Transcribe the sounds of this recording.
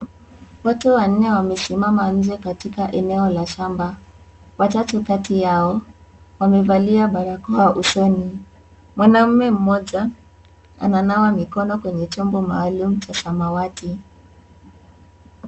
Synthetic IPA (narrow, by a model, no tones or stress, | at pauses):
watɛwan̩nɛwamɛsimaman̩d͡ʒɛkatikaʔɛnɛɔlaʃamba | watatukatijaɔ | wamɛvaliaɓaɾakɔaʔusɔni | mwanam̩mɛm̩mɔʄa | a̰nanawamikɔnɔkwɛɲɛt͡ʃɔmbɔma̰ːlum̩t͡ʃasamawati